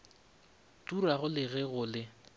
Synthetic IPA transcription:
tʼuraɣʊlɪɣɛɣʊlɪ

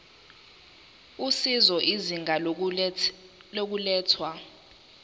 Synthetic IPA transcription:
usizɔʔiziŋʱa | lok̬ulɛːtʰwa

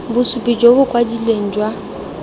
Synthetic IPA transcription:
bʊsupʼid͡ʒobʊkʼwadileŋ̩d͡ʒwa

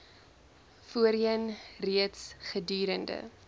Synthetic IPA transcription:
fuəɾiənriətsχədyːɾəndə̰

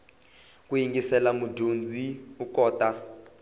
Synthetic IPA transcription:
kujiŋɡisɛlamudʱond͡zʱiukɔːta

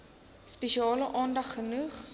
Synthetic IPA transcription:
speʃiɑːləʔɑːndɐχːənuχ

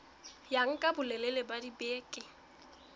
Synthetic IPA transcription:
jaŋ̩kʼabʊlɛlɛlɛbadibeːkʼɪ

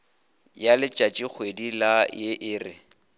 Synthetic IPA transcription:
jalɪt͡ʃʼat͡ʃʼik͡xʰwedilajɪʔɪːrɪ

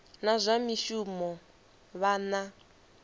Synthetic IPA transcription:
nazʷamiʃumɔ | βana

